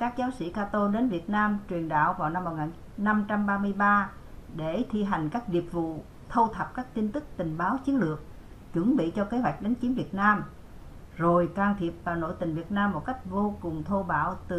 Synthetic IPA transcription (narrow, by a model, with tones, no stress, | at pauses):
kaː˦˥k̚zaː˨˦wsḭ˧˩kaː˧t̪o˧ɗe˨˦nvi˨˩ət̚naː˧mt͡ɕwi˨˩ənɗa̰ː˧˨wvaː˨˩wna˧mːo˨˩ŋaː˨˩ | na˧mt͡ɕa˧mɓaː˧mɨ˧əjɓaː˧ | ɗe˧˩t̪ʰi˧ɦa˨˩jŋ̟kaː˦˥k̚zi˨˩ət̚vṵ˧˨ | t̪ʰo˧t̪ʰə˨˩p̚kaː˦˥k̚t̪i˧nt̪ɨ˦˥k̚t̪ï˨˩ŋ̟ɓaː˨˦wt͡ɕi˨˦ənlɨ˨˩ək̚ | t͡ɕɨ̰˧˥əŋɓḭ˧˨t͡ɕɔ˧ke˨˦ɦwa˨˩jk̚ɗa˨˦jŋ̟t͡ɕi˨˦nvi˨˩ət̚naː˧m | zo˨˩jkaː˧ŋt̪ʰi˨˩əp̚vaː˨˩no̰˧˥jt̪ï˨˩ŋ̟vi˨˩ət̚naː˧mːo˨˩t̚ka˦˥jk̟̚vo˧kʊ˨˩ŋ͡mt̪ʰo˧ɓa̰ː˧˩wt̪ɨ˨˩